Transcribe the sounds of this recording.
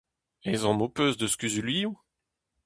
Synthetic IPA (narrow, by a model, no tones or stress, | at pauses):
ɛzɑ̃mopøzd̪əskʲyzyliũ